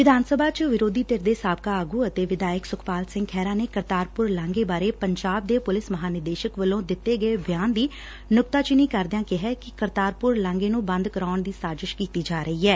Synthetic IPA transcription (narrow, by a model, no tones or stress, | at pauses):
ʋɪd̪ʱaːnsəbʱaːt͡ʃʋɪɾoːd̪iːt̪eɾd̪eːsaːb̚kaːaːɡuːət̪eːʋɪd̪aːjəksʊkʰpaːlsɪ̃ŋɡkʰɛːɾaːneːkəɾt̪aːɾpʊɾlãːŋɡeːbaːɾeːpəɲd͡ʒaːb̚d̪eːpʊlɪsməɦaːnɪɾd̪eːʃəkʋəlːõːd̪ɪt̪ːeːɡəebɪjaːnd̪iː | nʊk̚t̪aːt͡ʃɪniːkəɾd̪ɪjãːkɪɦɛːkɪkəɾt̪aːɾpʊɾlãːŋɡeːnũːbə̃nd̪kəɾaːɳd̪iːsaːɾzɪʃkiːt̪iːd͡ʒaːɾəɦiːɛː